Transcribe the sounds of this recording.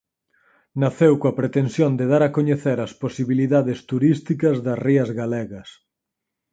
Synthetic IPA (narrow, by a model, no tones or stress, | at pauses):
naθewkõɐpɾet̪ensjond̪eðaɾɐkoɲeθeɾɐsposiβiliðaðest̪uɾist̪ikɐzðɐsriɐzɣaleɣɐs